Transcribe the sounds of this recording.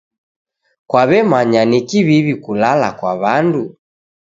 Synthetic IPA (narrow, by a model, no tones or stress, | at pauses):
kwaβɛmaɲanikiβiβikulalakwaβandu